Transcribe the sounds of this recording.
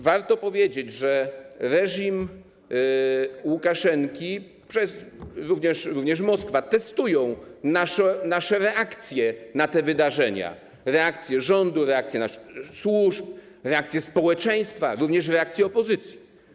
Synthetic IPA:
vaɾt̪ɔpɔvʲjed͡ʑed͡ʑʐɛɾɛʐim | wukaʂɛŋkʲi | pʂɛsɾuvɲɛʂɾuvɲɛʂmɔskfat̪ɛst̪ujɔ̃w̃naʂɔnaʂɛɾɛʔakt̪sʲjɛnat̪ɛvɘd̪aʐɛɲa̰ | ɾɛakt̪sʲjɛʐɔnd̪uɾɛakt̪sʲjɛnaʂswuʂp̚ | ɾɛak̚t̪ʲjɛspɔwɛt͡ʂɛ̃j̃st̪faɾuvɲɛʂɾɛakt̪sʲjɛɔpɔzɘt̪sʲji̥

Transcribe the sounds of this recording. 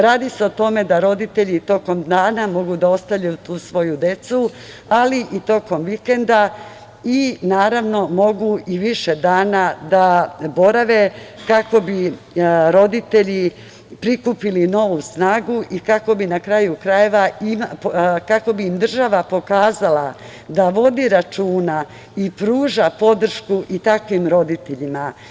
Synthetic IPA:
ɾaːd̪ise̞o̞t̪o̞me̞d̪aɾo̞d̪it̪e̞ʎit̪o̞ko̞md̪aːnamo̞ɡud̪ao̞st̪aʋʎaut̪uːsʋo̞jud̪e̞t̪su | aliʔit̪o̞ko̞mʋike̞nd̪a | inaːɾaʋno̞mo̞ɡuiʋiʃe̞d̪aːnad̪abo̞ɾaʋe̞kako̞bi | ɾo̞d̪it̪e̞ʎi | pɾikupilino̞ʋusnaːɡuʔikako̞binakɾajukɾaje̞ʋaimkako̞biːmd̪r̩ʒaʋapo̞kaːzala | d̪aʋo̞d̪iɾat͡ʃuːna | ipɾuːʒapo̞d̪r̩ʃkuʔit̪akʋimɾo̞d̪it̪e̞ʎima

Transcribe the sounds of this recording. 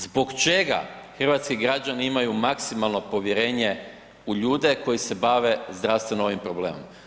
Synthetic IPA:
zbo̞ɡt͡ʃe̞ɡa̰xr̩ʋaːt̪skiɡɾad͡ʒaniimajumaksimalˠno̞po̞ʋjeɾe̞ːɲe̞ | uʎuːd̪e̞ko̞jise̞baʋe̞zd̪ɾaʋst̪ʋe̞noo̞ʋimpɾo̞bleːmo̰m

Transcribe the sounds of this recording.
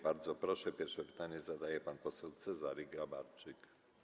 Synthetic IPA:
baɾd̪zɔpɾɔʂɛpʲjɛɾfʂɛvit̪aɲɛzad̪ajɛpanpɔsɛlt̪sɛzaɾiɡɾabaɾt͡ʂɨk

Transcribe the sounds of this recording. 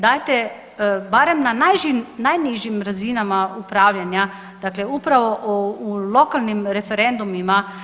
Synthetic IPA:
d̪aːjt̪e | baɾemnanajʒimnajniʒiimɾazinamaupɾaːʋʎaɲa | d̪̥akleupɾaʋo̞ʔulo̞kalˠnimɾefeɾend̪umima

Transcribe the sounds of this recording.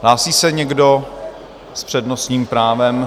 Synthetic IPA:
laːsiːsɛɲɛɡdo̞ | spr̝̥ɛdno̞sɲiːmpɾaːvɛm

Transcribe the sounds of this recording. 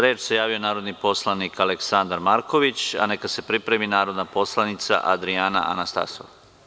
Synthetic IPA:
ɾeːt͡ʃse̞jaːʋijo̞naːɾod̪nipo̞slˠanikʰale̞ksand̪aɾmaɾko̞ʋit͡ɕa̰nekase̞pɾipɾe̞minaːɾo̞d̪napo̞slˠanit̪sa̰ʔa̰d̪ɾiana̰ʔa̰nast̪a̰so̰ʋ

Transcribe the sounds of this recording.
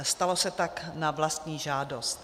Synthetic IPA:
st̪alo̞sɛt̪aknavlast̪ɲiːʒaːdost̪

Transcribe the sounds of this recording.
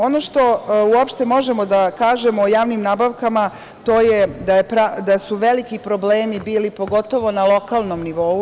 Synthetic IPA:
o̞no̞ʃt̪o̞uopʃt̪e̞mo̞ʒe̞mo̞d̪akaːʒe̞moːjaːʋnimnaːbaʋkama | t̪o̞ːjed̪ajepɾad̪asuʋe̞likipɾo̞bleːmibiːlipo̞ɡo̞t̪o̞ʋo̞nalˠo̞kaːlˠno̞mniʋo̞u

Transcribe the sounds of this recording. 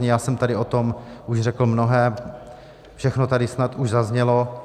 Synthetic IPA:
ɲɛjaːsɛmt̪adɪot̪omʔuʃr̝ɛkl̩mnoɦɛː | fʃɛxnot̪adɪsnat̪uʒzazɲɛlo

